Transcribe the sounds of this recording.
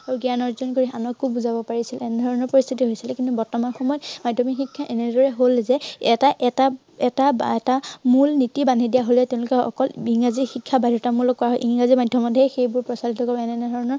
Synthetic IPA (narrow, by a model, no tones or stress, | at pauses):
aɹuɡianɔɹzɔnkoɹianɔkːubuzabɔpaɹisilɛnɛdʱɔɹɔnɔɹpɔɹist̪ʰitiɦojsilɛkintubɔɹtɔmanxɔmɔjɔtmadʱjɔmixikʰːaʔɛnɛdɔɹɛɦolzɛɛtaʔɛta | ɛtaɛtamulnitibanidijaɦolɛtɛʊ̃lʊkɛɔkɔlbiŋazixikʰːabajdʱɔtamulɔkːɔɹaɦɔjʔiŋŋazimadʱjɔmɔtɦexejbʊɹpɹɔsalitɔkɔbɔɛnɛdʱɔɹɔnɔɹ